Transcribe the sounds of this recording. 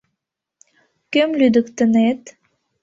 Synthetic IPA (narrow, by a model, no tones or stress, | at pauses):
kømlyd̪ə̆kt̪ə̆net̪